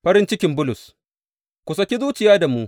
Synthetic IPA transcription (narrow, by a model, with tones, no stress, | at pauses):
ɸɐ˦ɾɪ˦nt͡ʃɪ˦kʲɪ˦mbʊ˦lʊ˨s | kʷʊ˨sɐ˦kʲi˦zuː˦t͡ʃɪ˨jaː˦da˨muː˦